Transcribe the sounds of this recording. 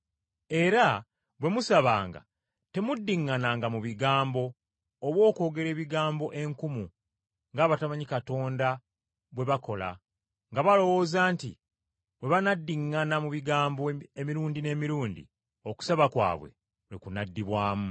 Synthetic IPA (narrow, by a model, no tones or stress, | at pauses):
e̞ɾa | βwe̞musaβaːŋɡa̰ | te̞mudːiŋːanaŋɡamuβiɡaːmbo̞ː | βwo̞ːko̞ːɡe̞ɾe̞ːβiɡaːmbo̞ʔe̞ŋkumu | ŋɡaːβataβaɲikato̞ːnda | βwe̞βako̞la̰ | ŋɡaβalo̞wo̞ːzaːntḭ | βwe̞βanadːiŋːanamuβiɡaːmboemiɾuːndine̞ːmiɾuːndḭ | o̞ku̥saβakwa̰ːβwe̞̰ | likunadːiβwaːmu